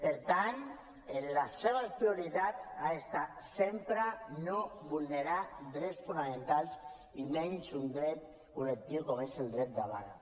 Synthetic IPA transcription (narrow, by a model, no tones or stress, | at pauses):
peɾt̪an | enlasːeβaspɾiuɾit̪at͡saest̪at̪sempɾanoβulneɾad̪ɾɛsfunamẽnt̪alˠs | imensund̪ɾɛt̪ | kulek̚t̪iwkomeselˠd̪ɾɛt̪̚d̪aβa̰ɾa̰